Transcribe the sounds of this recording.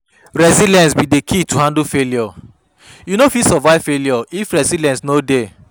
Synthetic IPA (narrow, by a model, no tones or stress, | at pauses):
ɹɛzilɛ̃nsbidekʰituhãndufeljɔ | junofisɔvaɪvfelijɔifɹɛsilɛ̃nsnode